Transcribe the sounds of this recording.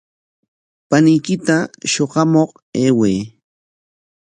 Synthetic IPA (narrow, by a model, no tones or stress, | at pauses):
panɪjkɪt̪aʃoɢɑmoq | eːweː